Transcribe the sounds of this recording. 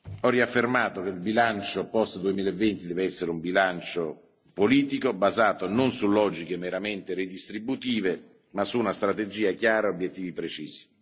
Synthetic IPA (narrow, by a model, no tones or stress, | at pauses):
ɔrːiafːermaːt̪okelbilant͡ʃopɔst̪d̪uemiːlaevːent̪id̪ɛːveɛsːeɾeumbilant͡ʃo | poliːt̪ikobazaːt̪ononsulɔːd͡ʒikemeɾament̪eɾid̪ist̪ɾibut̪iːve | masuːnast̪ɾat̪ed͡ʒiːakjaːɾaobjet̪ːiːvipɾet͡ʃiːzi̥